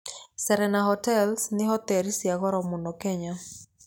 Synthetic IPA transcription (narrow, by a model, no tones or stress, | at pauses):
sɛɾɛnaɦɔtɛlsnɪhɔt̪ɛɾisjaɣɔɾɔmʊnɔkɛɲa